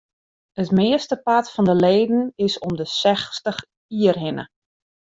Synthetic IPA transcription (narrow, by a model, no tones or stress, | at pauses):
ətmɪːəstəpatfɔndəleːdn̩ɪsɔmdəsɛxstəx | iərɦɪnə̰